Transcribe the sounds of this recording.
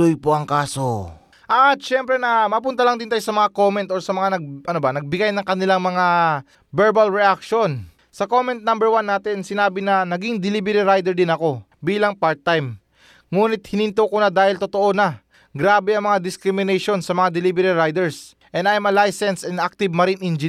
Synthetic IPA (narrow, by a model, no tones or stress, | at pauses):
lojpoʔɐŋkaːso | ʔɐt̪̚ʃɛmpɾɛnɐmɐpʊnt̪ɐlɐŋd̪ɪnaːjosɐmɐŋako̞mɛnt̪ʔoɹsɐmɐŋanɐɡ̚ʔɐnobɐnɐɡ̚bɪɡajnɐŋkɐnɪlaŋmɐŋa | bɛɹbalɹɛʔak̚ʃo̞n | sɐko̞mɛnt̪̚nambɛɹwanːaːt̪ɪnsɪnaːbɪnɐnɐɡiŋd̪ɪlibɛɾiɾajd̪ɛɾd̪ɪnɐko̞biːlɐŋpaɾt̪ːajm | ŋuːnɪt̪̚hɪnɪnt̪okonad̪aːhɪlt̪ot̪o̞ʔo̞na | ɡɾaːbɛɐŋmɐŋad̪ɪskɾɪmɪnɛjʃo̞nsɐmɐŋad̪ɪlibɛɾiɾajd̪ɛɹs | ʔɛnajmɐlajsɛnsɛnak̚t̪ɪbmɐɾɪnʔind͡ʒɪ